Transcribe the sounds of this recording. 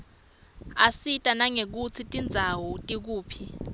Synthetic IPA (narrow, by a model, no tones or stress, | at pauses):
asitʼanaŋek̬ut͡sʰitʼind͡zʱawɔtʼik̬uːpʰi